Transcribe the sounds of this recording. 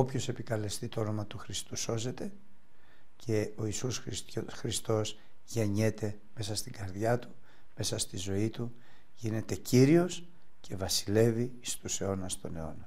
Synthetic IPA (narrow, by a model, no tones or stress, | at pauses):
o̞pço̞se̞pikɐle̞st̪it̪oo̞no̞mɐt̪uxɾist̪uso̞ze̞t̪e̞ | cʰe̞o̞isusɾixɾist̪o̞s | ʝeɲe̞t̪e̞ | me̞sɐst̪iɡɐɾðʝɐt̪u̥ | me̞sɐst̪izo̞it̪u | ʝine̞t̪e̞ciɾio̞s | cʰe̞vɐsi̥le̞vi | st̪use̞o̞nɐst̪o̞ne̞o̞̰nɐ